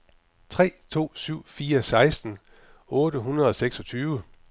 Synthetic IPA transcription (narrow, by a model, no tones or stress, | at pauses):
t͡sʰʁɛ̰ːt͡sʰo̝̰ːsyʊ̰fiːɐsɑ̈ɪsd̥n̩ | ɔ̽ːɾəɦunʁɐðˠɒ̽seɡ̥sɒ̽t͡sʰyːʋə